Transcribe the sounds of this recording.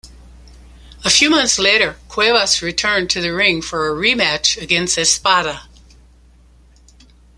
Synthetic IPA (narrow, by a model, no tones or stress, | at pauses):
əfjʉmʌ̃nθsleɪɾə˞kʰw̥eɪvəsɹitʰɜ̃˞ntʰɨðɨɹɪ̃ŋfə˞ɨɹimæt͡ʃɨɡɛ̃nst̚ɨspɑɾə